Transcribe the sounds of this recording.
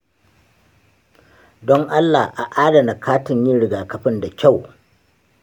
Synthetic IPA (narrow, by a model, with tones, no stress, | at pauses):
dɔ˦ŋʔa˦lːa˨hʔa̰˨ʔaː˦dɐ˨na˨kʰaː˦tɪ˨ɲji˦ɽɪ˨ɡaː˨kɐ˨ɸɪ˦nda˨kʲa˦˨w